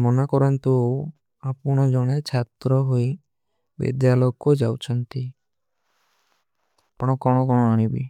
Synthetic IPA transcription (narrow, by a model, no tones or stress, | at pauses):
mɔnakɔɾɔnt̪u | apɔɽ̃ɔd͡ʒɔɽ̃et͡ʃʰat̪ɾɔɦoj | bḭd̪jaloɡɔd͡ʒawt͡ʃʰɔnt̪i | pɔɽ̃ɔkɔɽ̃ɔkɔɽ̃ɔañibḭ